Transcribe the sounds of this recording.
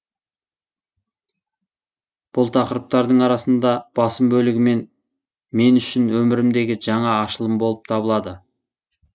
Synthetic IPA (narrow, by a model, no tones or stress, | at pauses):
b̥ʊlˠt̪ʰɑqəɾəp̚t̪ɑɾd̪əɴɑɾɑsənd̪ɑb̥ɑsəmbɵlɪɡʲɪme̞n | me̞nʏʃɪnwɵmɪɾɪmd̪e̞ɡʲɪʒɑɴɑːʃəlˠəmbo̞lˠəp̚t̪ʰɑbəlˠɑd̪ə